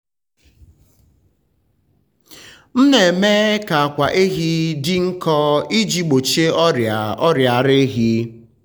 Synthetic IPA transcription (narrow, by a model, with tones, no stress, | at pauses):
n̩˦ne˨me˦ka˨a˨kʷa˨ʔe˦ɦi˦dɪ˦ŋ̩˦kɔ˦i˦d͡ʒi˦ɡ͡bo˨t͡ʃe˦ɔ˦ɾja˨ɔ˦ɾja˨ɾe˦ɦi˦